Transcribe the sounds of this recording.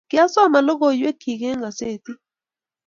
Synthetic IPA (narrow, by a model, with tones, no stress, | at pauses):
ki˦a˦sɔ˦ma˨lɔ˦k̬o˦jwe˦kʰi˨k̬ɛ˦ŋa˨seː˨ti˦